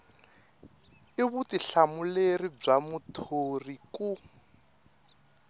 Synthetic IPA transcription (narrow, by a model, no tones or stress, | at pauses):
ɪβutiɬamulerib͡ʐamutʰoriku